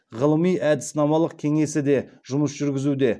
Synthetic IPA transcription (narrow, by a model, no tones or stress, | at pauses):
ʁəlˠəmijʔæd̪ɪsnɑmɑlˠəq̚kʲʰe̞ŋe̞sɪd̪e̞ʒʊməsʒ̥ʏɾɡʲɪzud̪e̞